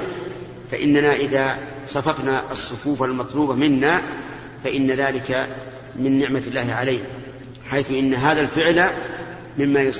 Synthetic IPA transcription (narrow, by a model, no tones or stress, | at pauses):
fa̰ʔɪ̰nːanaːʔɪðaː | sˤɑfɑfnaʔɑsˤːʊfuːfalmɑt̪ˤluːbamɪnːaː | faʔɪnːaðaːlɪka | mɪnːɪʕmalːaːhɪʕalajna | ħajθʊʔɪnːaɦaːðalfɪʕla | mɪmːaːjʊs